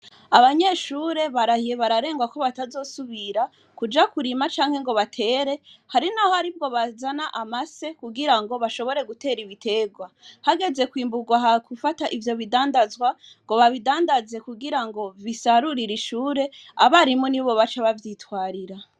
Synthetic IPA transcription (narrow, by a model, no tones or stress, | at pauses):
aβaɲe̞ʃuːɾe̞βaɾahijeβaɾaɾe̞ːŋɡwako̞βatazo̞ːsuβiɾa | kud͡ʒakuɾimat͡ʃaːŋ̥he̞ŋɡo̞βatʰe̞ːɾe̞haɾinaho̞haɾib̚ɡo̞βazanaʔamase̞kuɡiɾaŋɡo̞βaʃo̞βo̞ɾe̞ɡute̞ːɾiβitʰe̞ɡwahaɡe̞ze̞kwiːmbuɡwaɦakufataʔivjo̞βidaːndazwa | ŋɡo̞βaβidaːndaze̞kuɡiɾaŋɡo̞βisaɾuɾiɾiʃuːɾe̞aβaɾimuniβo̞βat͡ʃaβavjitwaːɾiɾa